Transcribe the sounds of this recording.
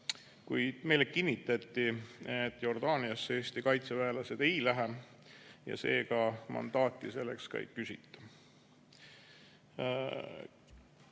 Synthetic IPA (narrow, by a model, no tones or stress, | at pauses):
kujd̪̥me̞jlekinːit̪ːˑɑt̪ːiet̪ːˑjo̞rd̪̥ɑːniɑsːeːst̪ikɑjt̪sevæelɑse̞d̪̥e̞jlæɦe | jɑ̰se̞ːɡɑmɑ̰nd̪̥ɑːt̪ːˑise̞lːḛkskɑ̰jkysit̪ːɑ̥